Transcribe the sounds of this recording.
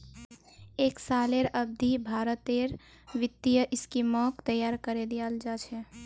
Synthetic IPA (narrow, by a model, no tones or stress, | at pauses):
eːksaleɾəb̚d̪ʱibʱaɾət̪eɾ | ʋɪt̪ːijəʔɪskimɔkt̪əjaɾkəɾed̪ijald͡ʒat͡ʃʰɛ